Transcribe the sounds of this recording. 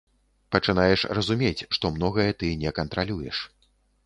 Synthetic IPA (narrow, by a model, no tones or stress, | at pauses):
pɐt͡ʂɨnajɛʂrɐzumʲet͡sʲʂt̪ɔmnɔɣɐjɛt̪ɨnʲɛkɐnt̪ɾalʲujɛ̰ʂ